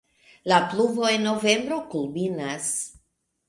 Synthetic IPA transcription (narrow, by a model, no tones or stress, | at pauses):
lapluvo̞e̞nːo̞ve̞mbɾo̞kulbinas